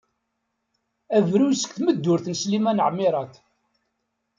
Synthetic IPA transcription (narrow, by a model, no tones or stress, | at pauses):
ævɾujsə̥kθməd̪ːʊɾθnslimænəʕmɪɾˤɑt̪